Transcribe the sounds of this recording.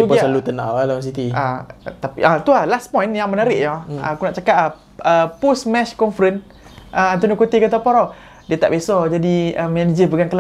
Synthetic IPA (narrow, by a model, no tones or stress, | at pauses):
iuɡəasalut̪əna̰ʔlalawas̬it̪iat̪apiʔat̪ulahlaspɔ̃jnjaŋmənaɾɪʔjaəkunaʔt͡ʃakaʔa | əpusmɛʃkɔnfəɾən | ʔəãnt̪oniokut̪ikat̪apɔɾɔ | diat̪a̰ʔbesɔd͡ʒadiəmɛnid͡ʒəpəɡaŋkəla